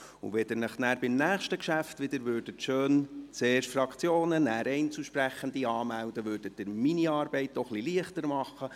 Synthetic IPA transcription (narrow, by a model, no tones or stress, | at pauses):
ṵʋɛd̥əɾnəχnæːɾbɪmnæːχʃtəkʃæftʋɪd̥əɾʋøːɾd̥ətʃøːnt͡seːrʃfɾɑkt͡sjoːnənæːɾɛɪnt͡suʃpɾæχənd̪iɑːmældəʋʉːɾd̥ət̚dɪɾminiɑːɾbɛɪt̚dɔχliliəχtəɾmɑχːə